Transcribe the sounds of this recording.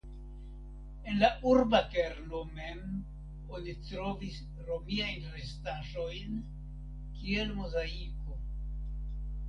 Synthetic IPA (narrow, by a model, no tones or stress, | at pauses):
e̞nlauɾbakeɾnomem | onitɾo̞vis | ɾo̞miajnɾe̞staʒo̞jn | kie̞lmozaiko̞